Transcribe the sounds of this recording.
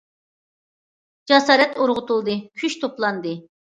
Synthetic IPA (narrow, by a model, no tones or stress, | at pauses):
d͡ʒɑsɑːɾɛt̪oɾʁʊt̪ulˠd̪ɨkʲʰyʃt̪ʰoplˠɑnd̪ɨ